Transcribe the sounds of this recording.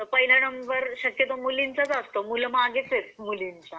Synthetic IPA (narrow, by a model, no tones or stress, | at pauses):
t̪əpəiləɽəmbəɾɕəkjət̪omulint͡sat͡sast̪omulmaɡet͡set͡smulint͡sa